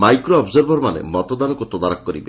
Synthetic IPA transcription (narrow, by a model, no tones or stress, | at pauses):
majkɾoɔbzɔɾbʱɔɾmanḛmɔt̪ɔd̪anɔkut̪ɔd̪aɾakkːɔɾḭbe